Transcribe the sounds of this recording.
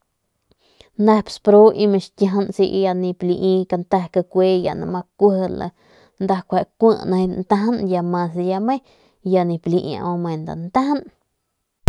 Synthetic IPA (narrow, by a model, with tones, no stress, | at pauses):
nd̪a˧pspɾo˦ʔi˧mẽ˧ʃt̪ʲja˧ɦnsi˧ʔja˧nĩ˧pli˧ʔĩ˧ka˧nt̪a˧hka˧kʷe˦ja̰˨ʔnã̰˧mã˧kʷə˦hla̰˧ | nd̪a˧kʷa˧˨ʔkʷə˦˧ʔnã˧nt̪a˧˦ɦnja˧mã˧sja˧mẽ˦ | ja˧nĩ˧pli˧ʔã̰˧ʔõ˧mẽ˨nd̪a̰˨nt̪a˦hn